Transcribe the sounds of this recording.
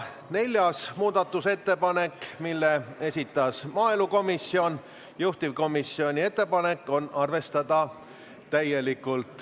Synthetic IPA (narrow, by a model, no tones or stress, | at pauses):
ne̞lʲjɑsmuːd̪ɑt̪ːˑuse̞t̪ːe̞pɑne̞kːmilːe̞e̞sʲit̪ːˑɑsmɑːeluko̞misːio̞n | juht̪ivko̞misːio̞nʲie̞t̪ːe̞pɑne̞kˑːo̞nɑrve̞st̪ɑd̪̥ɑ | t̪ːæje̞likːˑult̪ˑ